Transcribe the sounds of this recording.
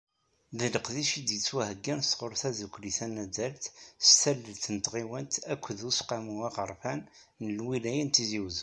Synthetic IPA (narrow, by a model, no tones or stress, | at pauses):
ðələqðiʃid̪jət͡sːwæhəɡːænst̪ʁoɾˤθæzəkʷːliθænædælθst̪ælːəlt̪ːənt̪ʁiwənt̪ækʷːðusqɑmuæʁəɾˤfænː | əlwilæjənt̪iziwz